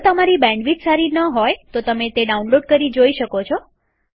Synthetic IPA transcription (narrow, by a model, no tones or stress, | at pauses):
t̪əmaɾibɛ̃ɳɖʋid͡ʒsaɾinəɦojt̪ot̪əmet̪eɖaunloɖ̚kəɾid͡ʒoiʃəkot͡ʃʰo